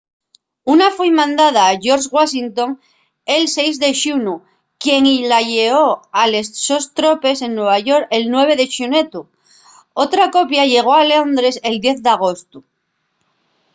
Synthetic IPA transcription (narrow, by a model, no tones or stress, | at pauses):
unafwejmãnd̪aðaːʝo̞ɾʃɣwasint̪o̞ŋ | e̞lse̞jzðe̞ʃunu | kje̞ŋilaʝe̞o̞ale̞ssost̪ɾo̞pe̞se̞nːwe̞β̞aʝo̞ɾelnwe̞β̞e̞ðe̞ʃune̞t̪u | o̞t̪ɾako̞pjaʝe̞ɣ̞o̞ale̞o̞nd̪ɾe̞se̞ld̪je̞θðeaɣ̞o̞st̪u